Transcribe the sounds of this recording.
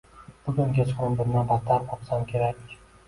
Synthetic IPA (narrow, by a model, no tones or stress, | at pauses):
b̥ʊɡʲʊŋɡʲat͡ʃʰqɾɪmbɪɾnabat̪ʰːaɾɒqsamkʲʰe̞ɾakʲ